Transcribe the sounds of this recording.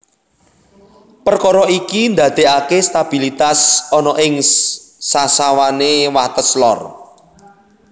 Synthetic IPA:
pərkɔɾɔikind̪ä̤d̪̥e̤ʔakest̪ab̥i̤lit̪asɔnɔʔɪŋsasawanewat̪əslɔ̰r

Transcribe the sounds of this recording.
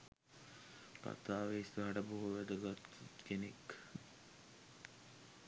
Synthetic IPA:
ka̰t̪aːʋeisəɦɐʈəboɦuʋæd̪əɡat̪ːut̪kenek

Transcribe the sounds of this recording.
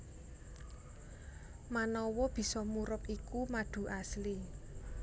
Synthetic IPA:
manɔwɔb̥i̤sɔmuɾʊpikumaɖ̥ṳʔasli

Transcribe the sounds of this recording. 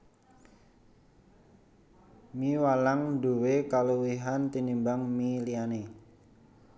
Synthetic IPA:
miwalaŋdo̤wekaluwiɦant̪inimbaŋmiliane

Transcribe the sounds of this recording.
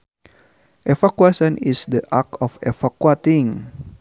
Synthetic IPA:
ʔefakuasə̃nisdəʔakɔfefakuat̪iŋ

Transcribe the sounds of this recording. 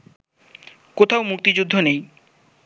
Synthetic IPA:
kot̪ʰawmuk̚t̪id͡ʑud̪ʱːonej

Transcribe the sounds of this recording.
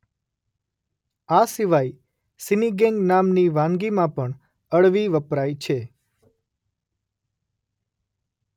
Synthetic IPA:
asiʋai | siniɡɛ̃ŋɡnamniʋãŋɡimãpəɳ | əɭʋiʋəpɾajt͡ʃʰe

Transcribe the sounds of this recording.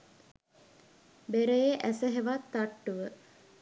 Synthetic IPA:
beɾəjeʔæsəɦeʋat̪ːaʈːuʋə

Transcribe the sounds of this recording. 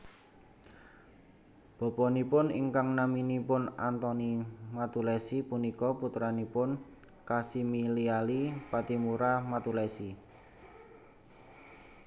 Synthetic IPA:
b̥ɔ̤pɔnipʊnḭŋkaŋnaminipʊnant̪ɔnimat̪ulɛsipunikɔput̪ɾanipʊn | kasimilialipat̪imuɾamat̪ulɛsi

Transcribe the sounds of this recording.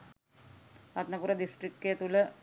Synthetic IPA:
ɐt̪nɐpuɾɐd̪isʈrikkːet̪ulə

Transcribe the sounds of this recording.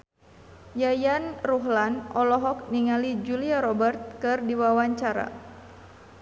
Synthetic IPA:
jajanruɦlanʔɔlɔɦɔk̚niŋalid͡ʒuliaɾɔbərt̪̚kɨrdiwawaɲt͡ʃaɾa̰

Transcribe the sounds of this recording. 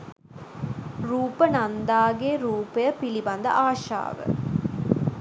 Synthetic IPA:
ɾuːpənɐnd̪aːɡeːɾuːpɐjɐpilibɐnd̪ɐ̰ʔaːʃa̰ːʋɨ̰

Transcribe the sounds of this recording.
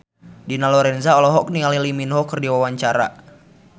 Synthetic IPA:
dinalɔɾɛnzaɔlɔɦɔk̚nialiliminɦɔkərdiwawaɲt͡ʃaɾa̰

